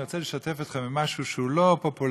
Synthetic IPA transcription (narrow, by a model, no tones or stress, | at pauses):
ʁot͡sɛləʃat̪efit̪χamimaʃuʃəulopopul